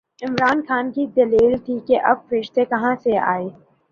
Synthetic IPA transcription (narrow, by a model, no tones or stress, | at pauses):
ɪmɾaːnxaːnkid̪ɐliːlt̪ʰikeʔɐb̚fɐɾɪʃt̪ekɐɦãsea̰ːeː